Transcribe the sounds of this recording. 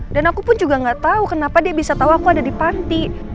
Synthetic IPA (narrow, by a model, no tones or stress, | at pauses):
danakupʊnd͡ʒuɡaŋɡaʔt̪aukənapadiabisat̪auakuadadipant̪i